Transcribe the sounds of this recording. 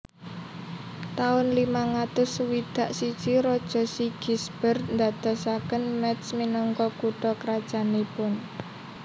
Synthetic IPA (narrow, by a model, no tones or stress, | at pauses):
t̪aʊnlimaŋat̪ʊswid̪̥a̤ʔsid̥ʒ̥iɾɔd̥ʒ̥ɔ̤siɡ̥isb̥ərnd̪ad̪̥ɔsakənmɛt̪sminɔŋkɔkuʈɔkəɾad̥ʒ̥a̤nipʊn